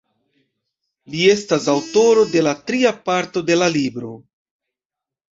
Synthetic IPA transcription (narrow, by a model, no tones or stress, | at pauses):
lie̞stasawto̞ɾo̞de̞latɾiapaɾto̞de̞lalibɾo̞